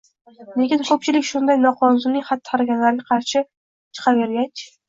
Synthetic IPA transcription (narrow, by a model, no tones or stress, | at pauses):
lekʲɪnkʰɵp̚t͡ʃʰɪlɪkʲʃʊnd̪ajnɒqʰɒnzʊnɪŋʲχat̪ʰːɪ̥χɑɾaɡʲanlaɾɪɡʲaqʰɑɾʃɪ | t͡ʃʰɨ̥qʰɑve̞ɾɡʲat͡ʃ